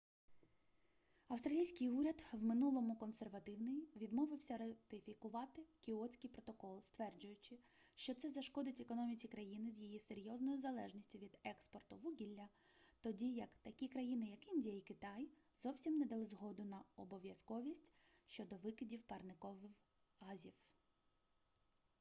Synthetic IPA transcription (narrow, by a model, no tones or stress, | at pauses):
ɐwst̪ɾɐlʲijsʲkɪjuɾʲɐd̪wmɪnulˠɔmʊkɔnserʋɐt̪ɪwnɪjʋʲid̪mɔʋɪwsʲɐɾɐt̪ɪfʲikʊʋɑt̪ɪkʲɪɔt͡sʲkɪjpɾɔt̪ɔkɔlˠst̪ʋɛrd͡ʒʊjʊt͡ʃɪ | ʃt͡ʃɔt̪sɛzɐʃkɔd̪ɪtʲekɔnɔmʲit͡sʲikɾɐjinɪzʲjijise̞ɾʲjɔznɔjʊzɐlˠɛʒnʲisʲtʲʊʋʲid̪ɛkspɔrt̪ʊʋuɡʲilʲːɐ | t̪ɔdʲijɐkt̪ɐkʲikɾɐjinɪjɐkɪnʲdʲijɐikɪt̪ɑj | z̥ɔwsʲimnɛd̪ɐlˠɪzɦɔd̪ʊnɐɔbɔʋʲjɐskɔʋʲisʲtʲ | ʃt͡ʃɔd̪ɔʋɪkɪdʲiwpɐrnɪkɔʋɪw | ɑzʲiw